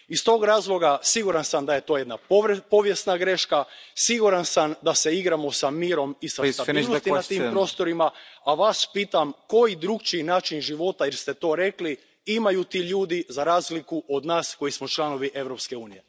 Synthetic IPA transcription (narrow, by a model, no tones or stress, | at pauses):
ist̪o̞ːɡɾaːzlˠo̞ɡasiɡuɾansamd̪aje̞t̪o̞ːje̞d̪nappo̞ʋje̞st̪naɡɾe̞ʃkasiɡuɾansamd̪ase̞iɡɾamo̞samiːɾo̞misat̪abilˠnot̪inat̪iːmppɾo̞ːst̪o̞ɾimaaʋaːspiːt̪amko̞jid̪ɾuɡt͡ʃinaːt͡ʃinʒiʋo̞t̪ajɛɾst̪et̪o̞ːɾe̞kli | imajut̪iʎuːd̪izaɾaːzlikuʔod̪naːsko̞jismo̞t͡ʃlˠano̞ʋiʔe̞ʋɾo̞pske̞uːnije̞